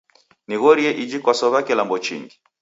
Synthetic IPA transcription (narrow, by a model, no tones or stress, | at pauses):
niɣɔɾiɛʔid͡ʒikwasɔβakɛlambɔt͡ʃḭŋɡi